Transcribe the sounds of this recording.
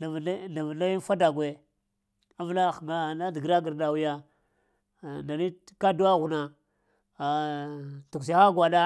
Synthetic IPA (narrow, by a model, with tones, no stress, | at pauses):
a˨˦na˨vna˦ji˦n˦fa˦da˨ɡʷwe˨ | a˦vla˦˨xŋa˦˨na˦di˨ɡɾa˦ɡi˨ɾda˨wu˦ja˦˨ | nda˨ni˦ka˦du˦wa˦ɣu˨na˨ | tu˨ks̬a˨˦xa˦ɡʷa˨da˦